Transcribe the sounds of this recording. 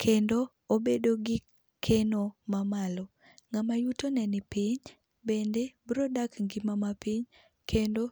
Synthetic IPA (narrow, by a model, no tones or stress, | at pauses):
kʰendo | obedoɡɪ | kʰenomamalɔ | ŋamajutonɛnɪpɪɲ | bendebɾɔdakŋɡɪmamapiɲ | kʰendo